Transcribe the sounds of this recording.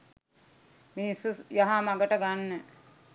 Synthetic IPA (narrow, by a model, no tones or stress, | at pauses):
minisujaɦamaɡəʈəɡanːə